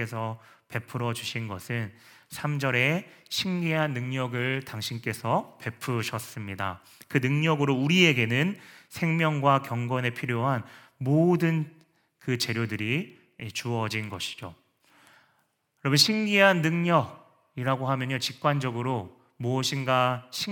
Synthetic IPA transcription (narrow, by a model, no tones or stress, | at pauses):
e̞sʰʌ | pe̞pʰɯɾʌd͡ʑuɕʰinɡʌsʰɯn | sʰamd͡ʑʌɾe̞ | ɕʰiŋɡiɦanːɯŋɲʌɡɯɭtaŋɕʰink͈e̞sʰʌpe̞pʰɯɕʰʌs͈ɯmɲida | kɯnɯŋɲʌɡɯɾouɾie̞ɡe̞nɯnsʰe̞ŋmjʌŋɡwakjʌŋɡwʌne̞pʰiɾjoɦan | modɯn | kɯt͡ɕe̞ɾjodɯɾi | et͡ɕuʌd͡ʑinɡʌɕʰi̥d͡ʑo | jʌɾʌbunɕʰiŋɡiɦanːɯŋɲʌɡ̚ | iɾaɡoɦamjʌɲot͡ɕik̚k͈wand͡ʑʌɡɯɾo | muʌɕʰinɡaɕʰi